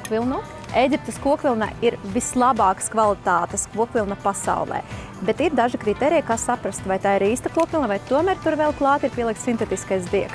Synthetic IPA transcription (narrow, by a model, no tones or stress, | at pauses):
kvilˠnu | ejɡʲip̚t̪eskuɔkʋʲilˠna̰iɾvislˠabɑːkskvalˠit̪aːt̪ɛskuɔkvʲilˠnɐpasa̰wlˠɛ̰ː | bet̪iɾd̪aʒikɾit̪ɛːɾʲijkaːsapɾast̪vajt̪aːiɾiːst̪ɐkuɔkʋʲilˠnavajt̪uɔmæːɾt̪uɾvɛlˠklˠɑːt̪iɾpʲiɛlˠikt̪sint̪ɛt̪iskajzd̪iɛk